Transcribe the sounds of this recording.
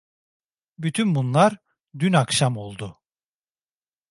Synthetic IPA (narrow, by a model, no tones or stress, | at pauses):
byt̪ʰynbunlˠaɾ | d̪ynakʃamo̞lˠd̪ʊ